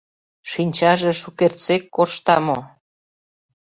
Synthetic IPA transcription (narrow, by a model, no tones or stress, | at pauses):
ʃinʲt͡ɕɑʒeʃukert͡sekːoʃt̪ɑmo